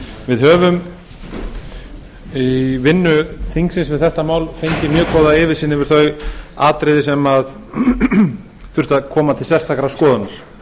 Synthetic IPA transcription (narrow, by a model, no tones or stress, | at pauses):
vɪðɦœːvʏm | ivɪnːʏθiŋksɪnsvɪðθɛht̪amaːwlfejɲcɪmjœːkʰɔːðaɪːvɪɾ̥siːnɪvɪɾ̥θœɥa̰ːt̪ɾɪðɪsɛmað | θʏr̥t̪aðkʰɔːmat̪ʰɪlsɛrst̪ʰakɾaskɔːðanaɾ̥